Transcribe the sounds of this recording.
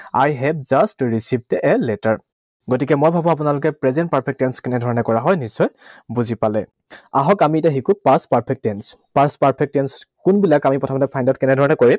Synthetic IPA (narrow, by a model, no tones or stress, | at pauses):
a̰jɦɛp̚zastɹisib̚tɛʔɛlɛtaɹ | ɡotikɛmojbʱabuap̬ʊnalʊkɛpɹɛzɛnt̚paɹpʰɛk̚tɛnskɛnɛdʱɔɹɔnɛkɔɹaɦɔjnisːɔjbuzipalɛ̰ | aɦɔkamitaxikupaspaɹpʰɛk̚tɛns | paɹspaɹpʰɛk̚tɛnskʊnbilakamipɹɔtʰɔmɔtɛpʰajndaʊt̚kɛnɛdʱɔɹɔnɛkoɹim